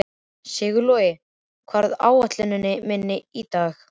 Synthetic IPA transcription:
sɪɣʏlɔɪ | kʰvaɾða̰ːwaht̪lɪnʏnːɪmɪnːɪit̪aːx

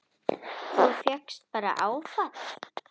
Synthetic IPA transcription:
θufjɛkst̪̚paːɾa̰ʔaːwθat

